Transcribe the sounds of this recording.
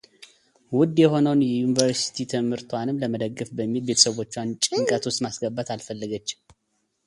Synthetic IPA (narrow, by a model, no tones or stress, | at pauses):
wʊd̪jɛho̞nəwnjɛjunivəɾsi̥t̪ʰit̪ʰɨmhɨɾt̪ʰwanɨmləməd̪əɡːɨfbəmːilbe̞t̪ʰə̥səβo̞t͡ʃːwant͡ʃʼɪŋkʼət̪ʰwʊst̪masɡəbːat̪alfəlːəɡət͡ʃː